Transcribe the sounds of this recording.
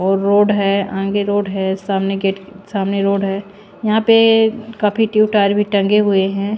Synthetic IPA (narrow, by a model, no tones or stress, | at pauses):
ɔːɾːoːɖɦɛãːŋɡeɾoːɖɦɛsaːmneɡeːʈsaːmneɾoːɖɦɛː | jɐɦãpekaːpʰiʈjuːʈaːɾbʱiʈɐ̃ŋɡeɦʊeɦɛ̃